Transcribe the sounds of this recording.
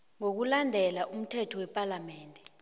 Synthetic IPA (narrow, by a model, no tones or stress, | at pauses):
ŋok̬ulandʱɛlaʔum̩tʰɛtʰɔwɛpʼalamɛːndʱɛ